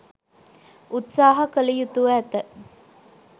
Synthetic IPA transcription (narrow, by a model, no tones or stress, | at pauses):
ut̪saːɦɐkəlijut̪uʋæːt̪ə